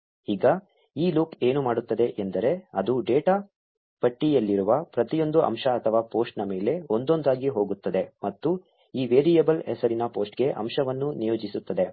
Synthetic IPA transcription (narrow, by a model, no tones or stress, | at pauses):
iːɡɐ | iːluke̞ːnumaːɽut̪ːɐd̪e̞ʔend̪ɐɾe̞ɐd̪uɖeːʈaː | pɐʈːijɐlːiɾuʋɐpɾɐt̪ijo̞nd̪uʔɐ̰mʃɐɐt̪ʰɐʋaːpo̞ːsʈnɐme̞ːle̞o̞nd̪o̞nd̪aːɡiɦo̞ːɡut̪ːɐd̪e̞mɐt̪ːu | iːʋeːɾijɐbɐlɦɛsɐɾinɐpo̞ːsʈɡe̞ʔɐ̰mʃɐʋɐnːunijoːd͡ʒisut̪ːɐd̪e̞